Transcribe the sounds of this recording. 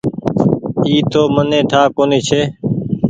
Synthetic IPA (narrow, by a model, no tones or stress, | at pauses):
iːt̪oːmənẽːʈʰaːkoːniːt͡ʃʰeː